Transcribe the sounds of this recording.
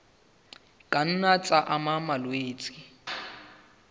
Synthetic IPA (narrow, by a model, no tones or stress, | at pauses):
kʼan̩nat͡sʼaʔamamalweːt͡sʼɪ